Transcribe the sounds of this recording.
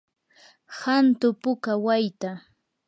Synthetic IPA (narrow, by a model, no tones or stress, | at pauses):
hant̪ʊpʊkawajt̪a